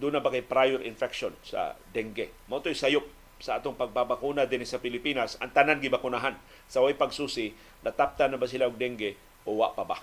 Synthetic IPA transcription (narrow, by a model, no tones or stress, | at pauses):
d̪unabakajpɾajɛɾɪnfɛkʃonsa̰d̪ɛŋɡɛ | mɐʔot̪ojsajʊp̚ | saʔaːt̪oŋpaɡ̚pabakunad̪ɪnɪsɐpɪlɪpinasɐ̰ŋt̪ananɡɪbakʊnaɦan | sawajpaɡsuːsɪ | nɐt̪ap̚t̪anabas̬ɪlaoɡ̚d̪ɛŋɡɛ | ʔowa̰ʔpaba